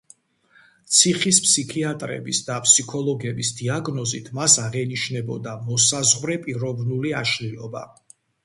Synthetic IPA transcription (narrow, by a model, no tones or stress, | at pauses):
t̪sʰiχispʰsikʰiat̪ʼɾɛ̰bisd̪apʰsikʰɔlˠɔɡɛbisd̪iaɡnɔzit̪ʰmasaʁɛniʃnɛbɔ̰d̪amɔsazʁvɾɛpʼiɾɔvnuliaʃliɔba̰